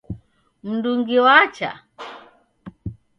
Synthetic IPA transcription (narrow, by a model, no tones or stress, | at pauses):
m̩nduŋɡiwat͡ʃa̰